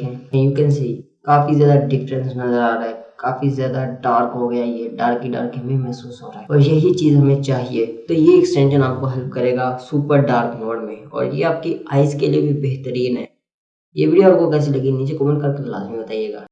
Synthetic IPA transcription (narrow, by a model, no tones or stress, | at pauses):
kɛ̃ːjʊmkənsi | kaːfizjaːd̪aɖɪfɾə̃nsnɐzəɾaːɾaɦɛkaːfizjaːd̪aɖaːɾkɦoɡɐjajeɖaːɾkːiɖa̰ːɾkɦɐmẽmɛɦsuːsɦoːɾaɦɛɔːɾjɐɦit͡ʃiːzɦɐmẽt͡ʃaːɦieːt̪ojeɪksʈɛ̃ɳʃənaːp̚koɦɛlp̚kɐɾeːɡaːsuːpəɾɖaːɾkmoːɽmẽɔ̰ːɾjḛaːp̚keaːɪskeliebʱibeɦt̪əɾiːnɦɛ̰ː | jebʱiiaːpkokɛːs̬elɐɡinĩd͡ʒekoːmə̃nkɐɾkela̰ːzmĩbɐt̪aːijeːɡaː